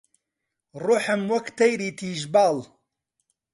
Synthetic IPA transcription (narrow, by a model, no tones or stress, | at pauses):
rʊħɐmwɐkt̪ɐjɾiːt̪ʰiːʒbaːl